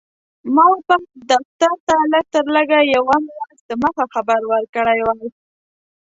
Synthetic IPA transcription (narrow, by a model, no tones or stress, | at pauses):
mɑwəpaxd̪aft̪aɾt̪alək̚t̪əɾləɡajawamwazd̪əməxaxabaɾwəɾkəɽajwaj